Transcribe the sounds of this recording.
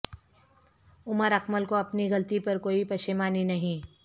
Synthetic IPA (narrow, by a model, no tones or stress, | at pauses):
ʊməɾɐkməlkoɐpniɣɐlt̪ipɐɾkoːipɐʃɪmaːninɐɦĩː